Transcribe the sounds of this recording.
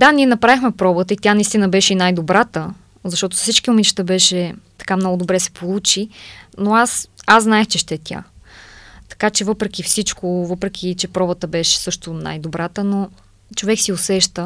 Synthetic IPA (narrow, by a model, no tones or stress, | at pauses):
d̪aniɛnɐpɾavixmɛpɾɔbət̪əit̪janɐist̪inəbɛʃɛinajd̪obɾat̪ə | zɐʃt̪ɔt̪ʊ̥ssit͡ʃkiʊmiʃt̪əbɛʃɛt̪ɐ̥kamnɔɡʊd̪obɾɛsɛ̥polˠut͡ʃinoasazznaɛxt͡ʃɛʃt̪ɛt̪ʲja̰ | t̪ɐ̥kat͡ʃɛvɤpɾɛk̟ʲifsit͡ʃkovɤpɾɛk̟ʲʰit͡ʃɛpɾɔbət̪əbɛʃɛ̥sɤʃt̪ʊna̰jd̪obɾat̪əno | t͡ʃovɛksiosɛʃt̪ə